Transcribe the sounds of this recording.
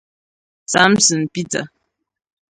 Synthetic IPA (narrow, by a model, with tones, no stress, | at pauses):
sa˨˦msɨ˨n̩˨pi˦tə̰˨